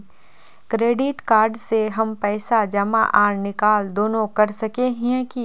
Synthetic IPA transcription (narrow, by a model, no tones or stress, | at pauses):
kɾeːɖɪʈkaːɾɖseɦɐmpɛːsad͡ʒɐma̰ʔaːɾnɪkaːld̪oːnõkɐɾsɐkeɦki